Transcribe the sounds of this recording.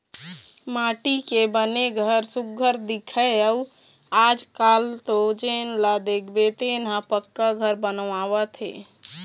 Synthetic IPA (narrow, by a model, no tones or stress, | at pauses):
maʈikebəneɡʱəɾsuɡʱəɾd̪ikʰəə | ad͡ʒkalʈ̪od͡ʒenlad̪ekʰbet̪enapəkːaɡʱəɾbənʋawət̪ʰɦḛ